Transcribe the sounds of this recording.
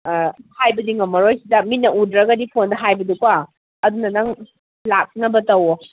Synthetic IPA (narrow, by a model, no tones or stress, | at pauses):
hajbɐdiŋɐmːɐɾojsidɐminɐudɾɐɡɐdipʰondɐɦajbɐduka | ɐdunɐnɐŋ | lak̚nɐbɐtɐwɔ